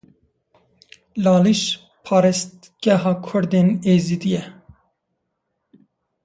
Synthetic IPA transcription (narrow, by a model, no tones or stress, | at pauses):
lɑːliʃ | pʰɑːɾɛst̪ | ɡ̥ɛɦɑːkʰʊɾd̪eːneːzid̪ijɛ